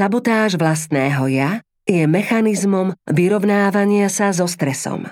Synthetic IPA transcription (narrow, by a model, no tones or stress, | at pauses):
sabɔt̪aːʒʋlas̬t̪nɛːɦɔja | jɛmɛxanizmɔmʋiɾɔʋnaːʋaɲɪasazɔst̪ɾɛsɔ̰m